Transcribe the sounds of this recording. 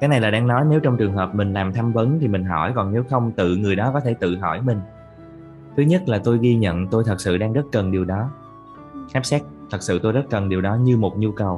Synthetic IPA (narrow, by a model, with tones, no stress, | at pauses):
kaː˨˦jna˨˩jlaː˨˩ɗaː˧ŋnɔ˨˦jne˨˦wt͡ɕɔ˧wŋ͡mt͡ɕɨ˨˩əŋɦəː˨˩p̚mï˨˩ŋ̟laː˨˩mt̪ʰa˧mvə˨˦nt̪ʰi˨˩mï˨˩ŋ̟ɦɔ̰˧˩jkɔ˨˩nne˨˦wxə˧wŋ͡mt̪ɨ̰˧˨ŋɨ˨˩əjɗɔ˨˦kɔ˨˦t̪ʰe˧˩t̪ɨ̰˧˨ɦɔ̰˧˩jmï˨˩ŋ̟ | t̪ʰɨ˨˦ɲə˦˥t̚laː˨˩t̪o˧jɣi˧ɲə̰˧˨nt̪o˧jt̪ʰə˨˩t̚sɨ̰˧˨ɗaː˧ŋzə˦˥t̚kə˨˩nɗi˨˩əwɗɔ˨˦ | xaː˦˥p̚sɛ˦˥t̚t̪ʰə˨˩t̚sɨ̰˧˨t̪o˧jzə˦˥t̚kə˨˩nɗi˨˩əwɗɔ˨˦ɲɨ˧mo˨˩t̚ɲu˧kə˨˩w